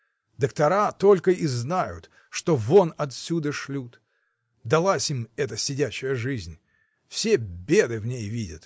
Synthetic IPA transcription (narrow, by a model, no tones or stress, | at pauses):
d̪əkt̪ɐɾat̪o̞lʲkəiznajʊ̰t̪ | ʂt̪o̞vonɐt̪sʲud̪əʂlʲut̪ | d̪ɐlˠasʲimɛt̪əsʲɪdʲæɕɪjəʐɨzʲnʲ | fsʲebʲe̞d̪ɨvnʲejvʲidʲət̪